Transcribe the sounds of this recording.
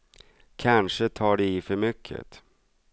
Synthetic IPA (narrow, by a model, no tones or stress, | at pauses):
kʰanʂət̪ʰɑːɖɛɪfœɾmʏkʰːə̰t̪